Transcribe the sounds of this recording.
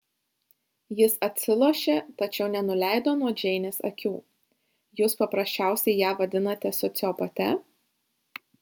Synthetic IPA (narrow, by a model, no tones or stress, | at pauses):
jɪsɐt̪ʲsʲɪlˠuɔʃʲeːt̪ɐt͡ʃʲɛʊnʲɛnʊlʲæˑɪd̪oːnuɔd͡ʒʲɛɪnʲeːsɐ̰kʲuː | juːspɐpɾɐsʲt͡ʃʲæˑʊsʲɛɪjæːʋɐd̪ʲɪnɐt̪ʲɛsɔt̪sʲɪɔpɐt̪ʲɛ